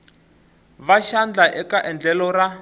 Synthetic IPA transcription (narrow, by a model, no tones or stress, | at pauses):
βaʃand͡ɮaʔɛkaʔɛnd͡ɮɛlɔra